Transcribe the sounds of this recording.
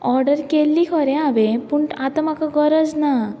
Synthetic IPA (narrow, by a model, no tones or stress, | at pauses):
ɔɾɖəɾkelːikʰəɾẽaʋepuɳʈat̪amakaɡəɾəd͡zna